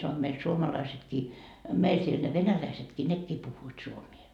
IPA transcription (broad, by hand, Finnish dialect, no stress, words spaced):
sɑno meil suomɑlɑisetkiː meil siel ne ʋenælæisetkiː nekːiː puhːuit suomie